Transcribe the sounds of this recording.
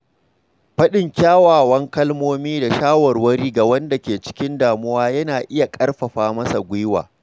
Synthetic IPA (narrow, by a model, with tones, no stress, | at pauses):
ɸɐ˦ɗɪ˨ŋkʲaː˦waː˨wɐ˦ŋkɐ˦lmoː˦miː˦da˨ʃaː˦wɐ˨rwɐ˦ɾiː˦ɡa˨wɐ˦nda˨kʲeː˨t͡ʃɪ̥˦kʲɪ˦ndaː˨mʊ˦waː˦jɐ˦naː˨ʔɪ˦ja˨kʼɐ˦rɸɐ˨ɸaː˦mɐ˦sa˨ɡʷʊ˦wa̰ː˨